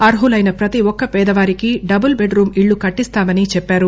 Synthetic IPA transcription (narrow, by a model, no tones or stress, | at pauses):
ɐɾɦulɐjnɐpɾɐt̪iwɔkːɐpɛːd̪ɐʋaːɾikiɖɐbɐlbeɖɾuːmiɭːukɐʈːist̪aːmɐnit͡ʃɛpːaːɾu